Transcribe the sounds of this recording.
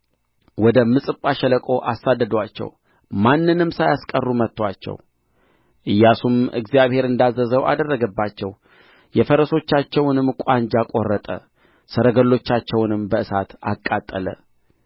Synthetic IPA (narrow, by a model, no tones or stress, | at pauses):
wɔd̪əmɨsʼɨpʼːaʃələkʼo̞ʔasːad̪ːəd̪əwat͡ʃːɛ̰w | manːɨnɨmsajaskʼərːumət̪ːwat͡ʃːɛ̰w | ʔɨjːasumɨ̰ɡzjaβhe̞ɾɨnd̪azːəzəwʔa̰d̪ərːəɡəbːat͡ʃːɛw | jɛfəɾəso̞t͡ʃːat͡ʃːɛwnɨmkʼaɲd͡ʒakʼo̞rːət̪ʼə̰ | səɾəɡəlːo̞t͡ʃːat͡ʃːɛwnɨmbəɨsat̪a̰kʼːat̪ʼːələ̰